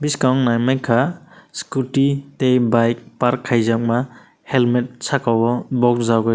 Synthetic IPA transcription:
biskawŋnajmajkʰaskutitejbajk̚paɾkʰːajzak̚ma | helmet̚sʰakawbɔbɔk̚zawɡɔj

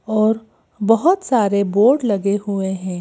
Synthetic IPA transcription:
ɔːɾ | bɐɦʊt̪saːɾeboːɾɖlɐɡehueɦɛ̃ː

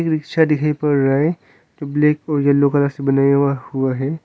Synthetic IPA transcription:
ekɾɪkʃʰad̪ɪkʰaːipɐɾːae | d͡ʒobleːkɔːɾjɐlːokəlasebɐnaːjwahuaɦɛ

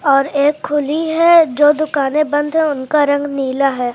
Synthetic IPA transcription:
ɔːɾeːkʰːʊliɦɛd͡ʒoːd̪ʊkaːnẽbɐ̃nd̪ɦɛ̃ʊnkaɾɐ̃ŋɡniːlaɦɛː

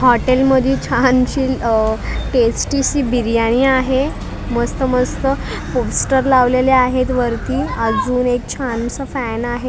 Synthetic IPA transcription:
ɦɔʈelməd̪ʱjit͡ɕʰant͡ɕiː | ʈesʈisiːbiɾjaɽ̃iːaɦe | məst̪əməst̪ə | posʈəɾlaʋleleaɦet̪ʋəɾt̪iːad͡zuːnek̚t͡ɕʰant͡səfænaɦe

